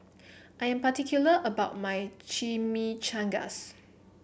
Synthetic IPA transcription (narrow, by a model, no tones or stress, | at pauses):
ʔajɛ̃mpatikʰjuləʔəbaʊt̚majt͡ʃimit͡ʃãŋɡa̰s